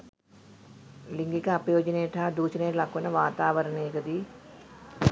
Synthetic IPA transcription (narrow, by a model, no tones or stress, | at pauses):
liŋɡikɐɐpɐjoːd͡ʒɐneːʈaːd̪uːt͡ʃineːʈlɐkːunɐʋaːt̪aːʋɐɾɐneːɡɐd̪i